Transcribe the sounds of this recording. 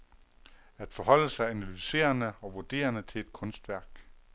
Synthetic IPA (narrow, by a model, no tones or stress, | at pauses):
æd̥fɒ̽hɒ̽l̰əsɑ̈ɪænælyse̝̰ːɐnəɒ̽ʋuɐd̥e̝̰ːɐnət͡sʰe̝le̝d̥̚kʰɔ̽nsd̥ʋæɐɡ̥